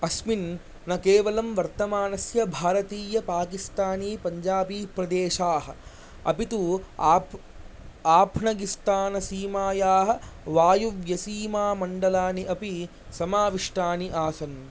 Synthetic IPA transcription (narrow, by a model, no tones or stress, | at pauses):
ɐsmin | nɐkeːʋɐlɐmʋɐɾt̪ɐmaːnɐsjɐbʱaːɾɐt̪iːjɐpaːkist̪aːniːpɐɲd͡ʒaːbiːpɾɐd̪eːʃaːɦɐ̰ | ɐ̰pit̪uː | aːpʰnɐɡist̪aːnɐsiːmaːjaːɦɐ̆ʋaːjuʋjɐsiːmaːmɐɳɖɐlaːniʔɐpi | sɐmaːʋiʂʈaːniʔaːsɐn